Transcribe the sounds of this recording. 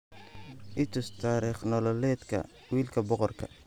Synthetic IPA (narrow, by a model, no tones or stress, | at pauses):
ʔɪt̪ʰʊst̪ʰaːɾiχnɔlɔlɛːd̪kʰɐ̰ | wiːlkʰɐbɔqɔrkʰɐ̰